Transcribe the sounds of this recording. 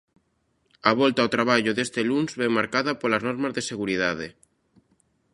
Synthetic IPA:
aβ̞ɔlt̪aot̪ɾaβ̞aʎoðest̪elunzβemaɾkaðapolaznoɾmazðeseɣ̞uɾiðað̞e

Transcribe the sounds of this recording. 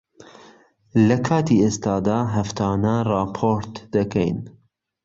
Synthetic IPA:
lɐkʰɑːt̪iest̪ɑːd̪aːɦɐft̪ʰaːnarɑːpʰoɾt̪d̪ɐkɛ̰jn

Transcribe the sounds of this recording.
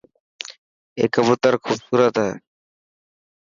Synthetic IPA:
ḛkəbot̪aɾkʰubsuɾat̪ae

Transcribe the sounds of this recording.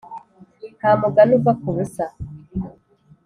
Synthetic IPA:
nhaːmuɡanuvakuβusa

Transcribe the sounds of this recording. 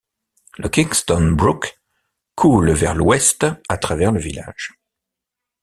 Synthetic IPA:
ləkʲiŋst̪ɔnbʁuk | kʰːulvɛʁlwɛst̪at̪χavɛʁləvila̰ʒ̥

